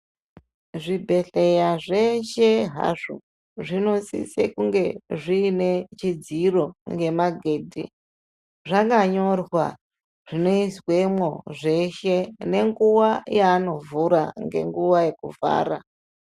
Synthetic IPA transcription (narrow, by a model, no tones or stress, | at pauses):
ʐibʱe̞ɬe̞jaʐe̞ʃeɦa̰ʐo | ʐino̞sḭsḛkuŋɡe̞ʐiːne̞t͡ʃid͡ziro̞ŋɡe̞maɡʱeːdʱḭ | ʐaŋɡaɲo̞rwa̰ | ʐ̥ino̞iswemo̞ʐe̞ʃe̞ne̞ŋɡuwajaːno̞vuɾa̰ŋɡe̞̰ŋɡuwaje̞kuva̰ːɾa